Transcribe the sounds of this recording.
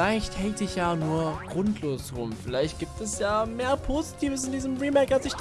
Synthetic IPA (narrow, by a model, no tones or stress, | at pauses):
laɪçthɛltɪçjaːnuːɐɡ̥ʁʊntʰloːsʁʊmfɪlaɪçt̚ɡ̥iːp̚tɛsjaːmeːɐpʰozitʰiːvəsɪndiːzəmʁiːmɛkasɪç̥